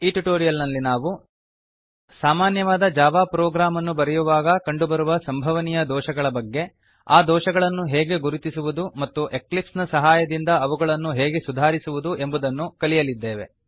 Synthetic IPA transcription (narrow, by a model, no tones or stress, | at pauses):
iːʈuʈoːɾijɐlnɐlːinaːʋu | saːmaːnjɐʋaːd̪ɐd͡ʒaːʋaːpɾɔːɡɾaːmɐnːubɐɾɛjuʋaːɡɐkɐɳɖubɐɾuʋɐsɐmbʱɐʋɐnijɐd̪ɔːʃɐɡɐɭɐbɐɡːe̞ | aːd̪ɔːʃɐɡɐɭɐnːuɦeːɡe̞ɡuɾut̪isuʋud̪umɐt̪ːuʔe̞klipsnɐsɐɦaːjɐd̪ind̪ɐɐʋuɡɐɭɐnːuɦeːɡe̞sud̪ʱaːɾisuʋud̪uʔe̞mbud̪ɐnːukɐlijɐlid̪ːeːʋe̞̰